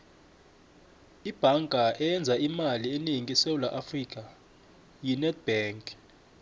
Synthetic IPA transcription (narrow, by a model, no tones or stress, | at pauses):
ib̥ʱaŋkʼaʔɛjɛnd͡zʱaimalieniŋisewulaʔafrik̬ʼa | jinɛt̚b̥ɛŋkʼ